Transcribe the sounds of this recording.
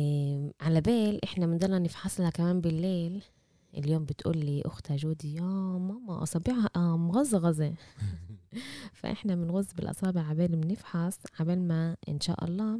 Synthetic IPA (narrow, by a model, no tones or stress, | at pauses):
ʕalabeːlʔɪħnamɪnd̪ɑlːɑnɪfħaslhakamæːmbɪlːeːl | ʔɪ̰ljoːmbɪt̪ʔṵːlːiːʔʊ̰xt̪aʒuːd̪ijaːmɑmːɑʔɑ̰sˤɑːbiːʕʔmɣʊzːɣɑze | fa̰ʔɪ̰ħnamɪnɣʊzːbɪlʔɑ̰sˤɑːbɪʕabeːlmnɪfħasʕabalmaʔɪ̰nʃa̰ːʔɑ̰lˤːɑː